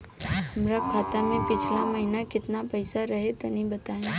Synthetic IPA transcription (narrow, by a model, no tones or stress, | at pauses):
ɦɐmɾakʰaːt̪amẽpɪt͡ʃʰlamɐɦɪnakɪt̪napɛɪsaɾɐɦet̪onɐɦĩbɐt̪aːẽː